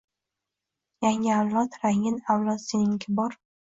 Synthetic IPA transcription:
jaŋʲɪawlˠɒt̪ɾaŋɪnawlˠɒt̪senɪŋkʲʰɪbɒɾ

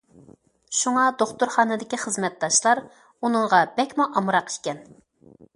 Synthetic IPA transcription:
ʃuŋɑd̪oχt̪ʊɾχɑːnɨd̪ɪkʲiχəzmɛt̪̚d̪ɑʃlˠɑɾ | unəŋʁɑbɛkʲmuʔɑmɾɑqi̥ʃkʲɛn

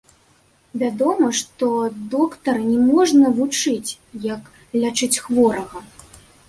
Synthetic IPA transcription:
vʲad̪ɔmɐʂt̪ɔd̪ɔkt̪ɐrnʲɛmɔʐnɐvut͡ʂɨt͡sʲ | jɐk | lʲat͡ʂɨt͡sʲxvɔɾɐɣɐ

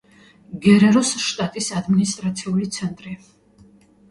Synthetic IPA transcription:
ɡɛɾɛɾusʃt̪ʼat̪ʼisad̪minist̪ʼɾat̪sʰiulit̪sʰɛnt̪ʼɾi

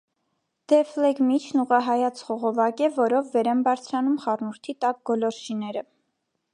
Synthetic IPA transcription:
d̪̥ɛflɛɡmit͡ʃʰnuʁɑɦɑjɑt͡sʰχɔʁɔvɑkɛvɔɾɔvːɛɾɛnbɑɾt͡sʰɾɑnumχɑrnuɾt̪ʰit̪ɑk̚ɡɔlɔɾʃinɛɾə

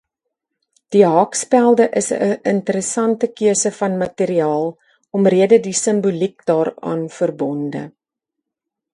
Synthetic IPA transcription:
d̥iɦɑkspælˠdəʔəsəʔəntəɾəsɐntəkiəsəfɐnmɐtiɾiɑːlˠ | ɔmriədədisəmbulik̚dɑːrɑ̰ːnfərbɔndə̰

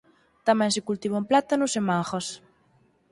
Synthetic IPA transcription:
t̪amɛ̃nsɪkult̪iβomplat̪anʊsemaŋxɐs

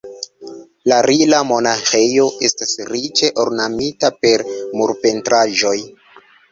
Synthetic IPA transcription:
laɾilamo̞naxe̞jo̞ʔe̞stasɾit͡ʃe̞ʔoɾnamitape̞ɾmuɾpe̞ntɾaʒo̞j

